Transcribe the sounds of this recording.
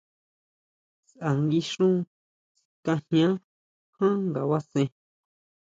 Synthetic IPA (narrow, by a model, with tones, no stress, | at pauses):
sʔa˨ŋɡi˧ʂũ˦˧ | kã˧hɲã˦ | hã˦ŋɡa˨wa˦sẽ˧